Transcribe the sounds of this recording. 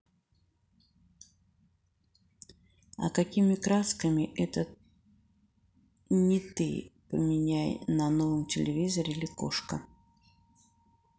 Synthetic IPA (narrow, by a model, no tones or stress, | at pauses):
ɐ̰kɐkʲimʲɪkɾaskəmʲɪʔɛt̪ə | nʲɪt̪ɨ̰pəmʲɪnʲæjnɐno̞vəmtʲɪlʲɪvʲizəɾʲɪilʲɪko̰ʂkə